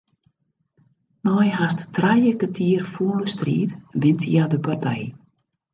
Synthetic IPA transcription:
nɔjɦasttrajəkətʰiːrfuːləstrḭːtʋɪntʰjadəpartʰɛj

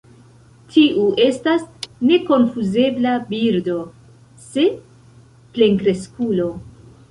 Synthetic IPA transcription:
tʰiʔuʔe̞stasne̞ko̞nfuze̞blabiɾdo̞ | se̞ | ple̞ŋkɾe̞skulo̞

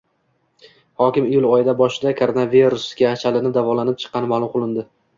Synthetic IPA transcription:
hɒkʲɪmɪjʊlˠɒjɪd̪abɒʃɪd̪akʰoɾonaviɾʊsɡʲaːt͡ʃʰalɪnɪd̪avɒlˠanɪp̚t͡ʃʰɨ̥qːɑnɪmalˠʊmqʰʊlˠɪnd̪ɪ

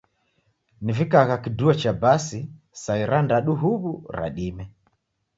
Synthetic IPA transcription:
nivikaɣakiduat͡ʃabasi | saiɾandaɗuɦuβuɾa̰ɗimɛ

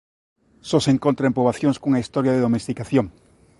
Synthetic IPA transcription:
soseŋkont̪ɾaempoβaθjoŋskoŋaist̪oɾjaðeðomest̪ikaθjoŋ

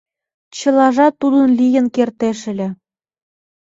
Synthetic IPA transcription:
t͡ɕɤ̆lˠɑʐɑt̪ːud̪ə̆nlijə̆nkert̪eʃɘ̆lʲɘ̆

